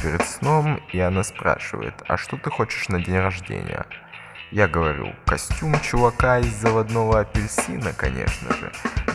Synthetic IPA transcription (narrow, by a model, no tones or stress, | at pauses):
pʲɪɾʲɪt̪sno̞miɐnaspɾa̰ʂɨvə̰jɪ̰t̪ɐ̰ʂt̪o̞t̪ɨxo̞t͡ɕɪ̥ʂnɐdʲenʲrɐʐdʲḛnʲɪ̰jə̰ | jaɡəvɐɾʲṵkɐsʲtʲumt͡ɕʊvɐkaɪzːəvɐd̪novəɐpʲɪlʲsʲinəkɐnʲḛʂnə̰ʐɨ̰